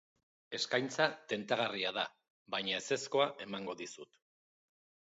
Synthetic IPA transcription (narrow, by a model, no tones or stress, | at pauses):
e̞skajnt͡sat̪e̞nt̪aɣariaða | βajɲae̞se̞sko̞aʔe̞maŋɡo̞ðisut̪